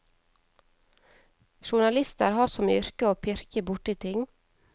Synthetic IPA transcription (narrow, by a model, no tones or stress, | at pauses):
ʃʊɳɑlɪst̪ə̰ɾhɑːsɔmʏ̰ɾkəoːpʰɪɾkəbʊʈiːt̪ʰɪŋ